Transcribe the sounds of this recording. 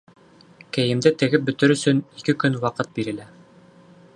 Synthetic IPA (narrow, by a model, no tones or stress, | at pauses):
kæjɘ̆md̪ɘt̪ɘ̆ɡɘp̚bɵ̆t̪ɘɾɵ̆sɵnikɘkɵnwɑqɤt̪̚biɾɘ̆læ